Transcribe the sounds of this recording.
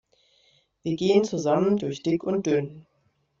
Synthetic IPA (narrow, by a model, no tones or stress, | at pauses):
viːɐɡeːənt͡suzaməndʊɐçd̥ɪkʊnt̚d̥øːn